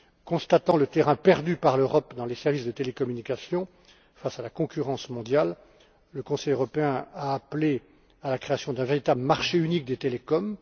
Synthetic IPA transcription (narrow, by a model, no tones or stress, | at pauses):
kɔ̃st̪at̪ɑ̃lət̪eʁɛ̃pɛʁd̪ypaʁløʁɔpd̪ɑ̃lesɛʁvisd̪ət̪elekɔmynikasjɔ̃ | fasalakɔ̃kʲyʁɑ̃smɔ̃d̪jalː | əkɔ̃sɛjøʁɔpeɛ̃aːple | alakχeasjɔ̃d̪ɛ̃veʁit̪abləmaʁʃeynik̚d̪et̪elekɔm